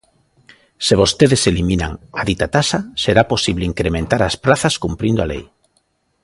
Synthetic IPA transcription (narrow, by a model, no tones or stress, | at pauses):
seβ̞ost̪eðeselimĩna̰ŋaðit̪at̪asaseɾaposiβleiŋkɾemẽnt̪aɾaspɾaθaskumpɾind̪oalḛj